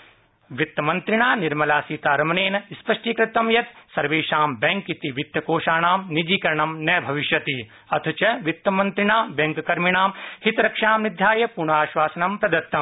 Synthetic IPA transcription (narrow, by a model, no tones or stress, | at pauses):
ʋit̪ːɐmɐnt̪ɾiɳaːniɾmɐlaːsiːt̪aːɾɐmɐneːnɐispɐʂʈiːkɾɪt̪ɐmjɐt̪sɐɾʋeːʃaːmbɐŋkit̪iʋit̪ːɐkoːʃaːɳaːmnid͡ʒiːkɐɾɐɳɐmnɐjbʱɐʋiʃjɐt̪i | ɐt̪ʰut͡ʃɐʋit̪ːɐmɐnt̪ɾiɳaːbɐ̃ŋkkɐɾmiɳaːmhit̪ɾɐkʂaːmnid̪ʱjaːjɐpuɾɳaːʃʋaːsɐnɐmpɾɐd̪ɐɾt̪ːɐm